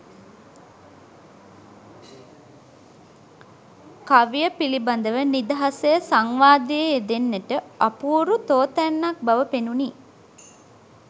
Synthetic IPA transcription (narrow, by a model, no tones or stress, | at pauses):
kaʋijəpiliband̪əʋənid̪əɦasəjəsaŋʋaːd̪ijəed̪enːeʈəapuːɾut̪oːt̪ænːak̚baʋəpenuniː